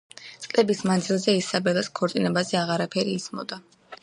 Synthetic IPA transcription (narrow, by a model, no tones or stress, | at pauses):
t̪sʼkʼlɛbismand̪zilˠzɛisabɛlˠaskʰɔɾt̪sʼinɛbazɛaʁaɾapʰɛɾiːsmɔ̰d̪a